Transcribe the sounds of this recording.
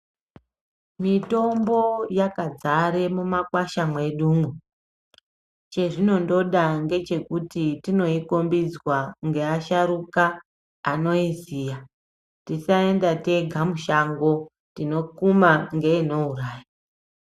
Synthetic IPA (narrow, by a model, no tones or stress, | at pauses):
mito̞mbo̞jakad͡zaɾemumakwaʃamwe̞ɗuːmu | t͡ʃe̞ʐino̞ndo̞ɗaŋɡe̞t͡ʃe̞kutitino̞iko̞mbid͡zwaŋɡe̞aʃaɾukaː | no̞izija | tisae̞ndate̞ɡʱamuʃaŋɡo̞ | tino̞kumaŋɡe̞ino̞uraːja